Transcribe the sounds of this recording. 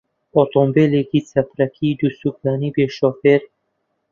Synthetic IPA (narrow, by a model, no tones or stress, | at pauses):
ɔt̪ʰɔmbeleːkit͡sɐpɾɐkʰiːd̪usuklaːnibeʃɔːfeɾ